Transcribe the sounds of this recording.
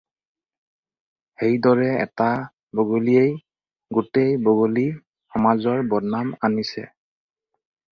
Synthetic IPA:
hejdɔɹɛɛ̰ta | boɡolijej | ɡutejboɡoli | xɔmazɔɹbɔdnamanisɛ̰

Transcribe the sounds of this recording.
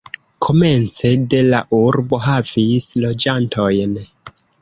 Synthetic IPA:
kʰo̞me̞nt͡se̞de̞laʔuɾbo̞ɦavislo̞d͡ʒantʰo̞jn

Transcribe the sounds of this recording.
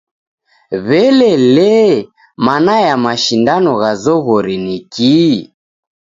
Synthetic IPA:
βɛlɛlɛ | manajamaʃindanɔɣazɔɣɔɾiniki

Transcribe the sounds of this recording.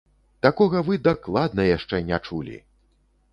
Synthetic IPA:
t̪akɔɣɐvɨd̪aklˠad̪nɐjaʂt͡ʂɛnʲat͡ʂulʲḭ

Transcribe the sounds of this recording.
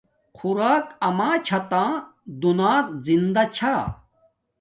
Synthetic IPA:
qʰuɾaːkɐmãːt͡ɕʰɐt̪ãːd̪unaːt̪̚zind̪ɐt͡ɕʰa

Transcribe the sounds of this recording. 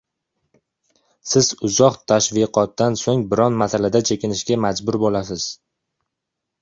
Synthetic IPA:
sɪz̥ʊzɒqt̪ʰaʃviqʰɒt̪̚ːansoŋbɪɾɒnmasalad̪at͡ʃʰekʲɪnɪʃɡʲamad͡ʒbʊɾbolasɪz̥

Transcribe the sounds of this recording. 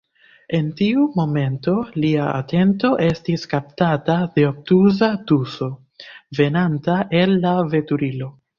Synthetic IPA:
e̞ntiumo̞me̞nto̞liaa̰tʰe̞nto̞ʔe̞stiskaptatade̞ok̚tuzatuso̞ | ve̞nantaʔe̞lːave̞tuɾilo̞

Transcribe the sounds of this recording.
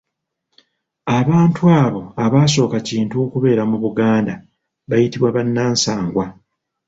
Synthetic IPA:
aβaːntuaːβo̞aβaːs̬o̞ːkaciːntukuβe̞ːɾamuβuɡaːnda | βajitiβwaβanːaːnsaːŋɡwa

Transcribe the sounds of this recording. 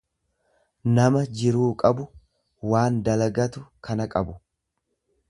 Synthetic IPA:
nɐmɐd͡ʒɪɾuːkʼɐbʊ | waːnd̪ɐlɐɡɐt̪ʊkɐnɐkʼɐbʊ

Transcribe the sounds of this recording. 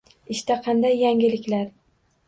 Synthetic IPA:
ɪʃt̪aqʰɑnd̪ajːaŋɡʲɪlɪkʲlaɾ

